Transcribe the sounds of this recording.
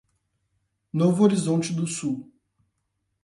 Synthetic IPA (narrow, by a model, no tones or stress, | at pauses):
novʊoɾizõnt͡ʃɪd̪ʊsuw